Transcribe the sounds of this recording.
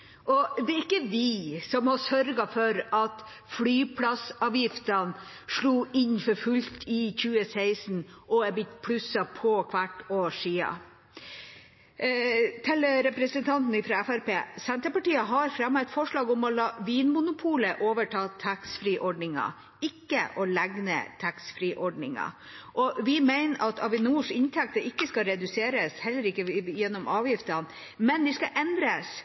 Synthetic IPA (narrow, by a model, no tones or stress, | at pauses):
ʔɔd̪ɛɾɪkːəʋɪsɔmhɑsœɾɡɑfɔɾɑt̪ | flyːpʰlɑsɑːʋjɪft̪ɑn | ʂɭuːʔɪɲfɔɾfʉlt̪ʰɪçʉːəsæɪsn̩ʔɔɛbɪt̪ːpʰlʉsɑpʰɔkʰʋæʈːoːʂiːɑ̰ | t̪ʰɛləɾɛpɾəsənt̪ʰɑnt̪n̩ɪfɾɑɛfæɾpḛːsɛnt̪əpɑʈiːəɦɑɾfɾɑmːɛt̪fɔʂɭɑːɡɔmɔlɑːʋiːnmʊnʊpʰuːləʔoːʋəʈʰɑːt̪ʰæksfɾiːʔɔɖɳnɪŋɑ̰ | ɪkːə̰ʔɔlæɡnə̰t̪ʰæksfɾiːʔɔɖɳɪŋɑ̰ | ʔɔʋɪmæɪnɑt̪ɑʋɪnuːʂɪnt̪ʰɛk̚t̪əɪkːəskɑɾɛd̪ʉseːɾəshɛlːəɾɪkːəjɛnːɔmʔɑːʋjɪft̪ɑn | mɛnd̪ɪskɑʔɛnd̪ɾəs